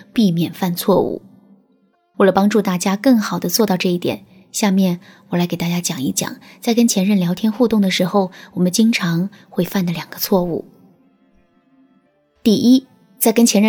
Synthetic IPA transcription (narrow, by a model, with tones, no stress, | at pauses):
pi˥˩mjɛ˨˩nfa˥˧nt͡sʰwɔ˥˧ṵ˥˩ | we˥˩lə˩pɑ˥ŋʈ͡ʂu˥˧t̪a˥˩t͡ɕja˥kɤ˥˩ŋxɑ˨˩ʊd̪ə˦t͡swɔ˥˧t̪ɑ˥˧ʊʈ͡ʂɤ˥˧i˥˩t̪jɛ̰˨˩˦n | ɕja˥˧mjɛ˥˩n | wɔ˨˩la˧˥ɪke˨˩ɪt̪a˥˩t͡ɕja˥t͡ɕjɑ˨˩ŋi˥˩t͡ɕjɑ̰˨˩˦ŋt͡sa˥˩ɪkə˥nt͡ɕʰjɛ˧˥nɻə˥˩nljɑ˧˥ʊt̪ʰjɛ˥nxu˥˧t̪ʊ˥˩ŋd̪ə˩ʂɻ̩˧˥xo˧ʊwɔ˨˩mə˦nt͡ɕi˥ŋʈ͡ʂʰɑ˧˥ŋxwe˥˧ɪfa˥˩nd̪ə˩ljɑ˨˩ŋɡ̥ə˦t͡sʰwɔ˥˧ṵ˥˩ | t̪i˥˩i˥ | t͡sa˥˩ɪkə˥nt͡ɕʰjɛ˧˥nɻə˥˨